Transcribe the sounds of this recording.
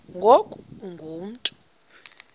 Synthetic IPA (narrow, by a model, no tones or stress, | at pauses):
ŋɡʱokʼuuŋɡʱuːm̩tʼu̥